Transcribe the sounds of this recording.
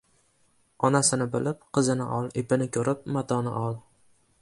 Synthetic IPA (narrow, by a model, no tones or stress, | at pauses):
ɒnasɪnɪbɪlɪp̚qʰɨzɪnɪ̰ʔɒlˠepʰɪnɪkʲʰɵɾɪp̚mat̪ʰɒnɪ̰ʔɒlˠ